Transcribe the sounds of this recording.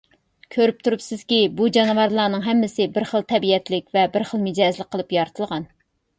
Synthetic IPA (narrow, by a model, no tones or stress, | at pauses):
kʲʰøɾyp̚t̪ʰuɾupsɪz̥kʲibud͡ʒɑnvɑɾlˠɑːnɨŋɦɛmːɪsɪbɪɾχəlˠt̪ʰɛbiɛt̪lɪkʲvɛbɪɾχəlˠmɪd͡ʒɑzlˠɪk̚qʰːəlˠɨpjɑɾt̪ʰɨlˠʁɑn